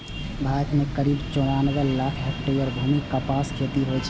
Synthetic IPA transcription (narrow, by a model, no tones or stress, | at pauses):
bʱakmekəɾibt͡ʃoɽanəɡəlakʰɦəʈːeɔɾbʱumikːəpaskʰet̪iɦojt͡ʃʰ